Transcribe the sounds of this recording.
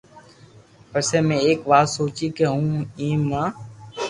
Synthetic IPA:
pəseːmẽːeːkʋaːsoːt͡ʃiːkeɦũːĩːmãː

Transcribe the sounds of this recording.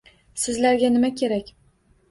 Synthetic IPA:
sɪzlaɾɡʲanɪmakʲʰe̞ɾakʲ

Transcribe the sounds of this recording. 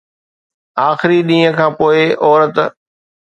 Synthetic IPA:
aːxɪɾiɗĩːə̃kʰãːpoːɪɔːɾət̪

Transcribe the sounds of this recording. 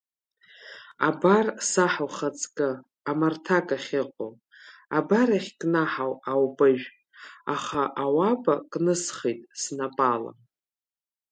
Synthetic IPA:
abarsaħawχat͡sʼkʼɨ | amartʰakʼaχʲɪqʷʼo | abaɾaχʲkʼnaħawawbʼɨʒᶣ | aχaʔawabakʼnɨsχejtʼsnapʼala̰

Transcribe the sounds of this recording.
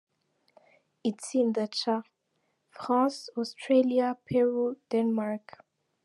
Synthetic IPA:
itsĩnd̪ət͡ʃa | fʁãsɔstʰɹeliapʰɛɹud̥ɛ̃nmaɹk

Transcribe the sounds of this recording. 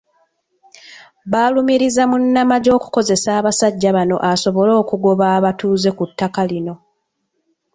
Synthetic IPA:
βaːlumiɾizamunːamaɟo̞ːku̥ko̞ze̞saːβasaɟːaβano̞̰ʔaso̞βo̞lo̞ːkuɡo̞βaːβatuːze̞kutːakalino̞

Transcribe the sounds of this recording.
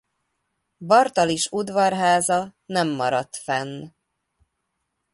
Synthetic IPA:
bɒrt̪ɒliʃud̪vɒrɦaːzɒnɛmːɒɾɒt̪fɛnː

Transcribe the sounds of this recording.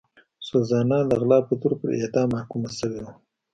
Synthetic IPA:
sozɑnɑd̪əɣlɑːpət̪uɾpə̰ɾḛd̪ɑːmɑhkumasəwed̪a

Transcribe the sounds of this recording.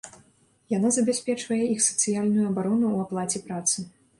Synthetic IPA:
janazɐbʲasʲpʲɛt͡ʂvɐjɛixsɐ̥t̪sɨjalʲnujuɐbaɾɔnuːaplˠat͡sʲɛpɾat̪sɨ

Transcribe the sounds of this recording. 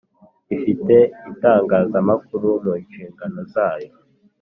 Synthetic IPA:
ifite̞itaːŋɡaːzamak̚uɾumunʃiːŋɡano̞zaːjo̞

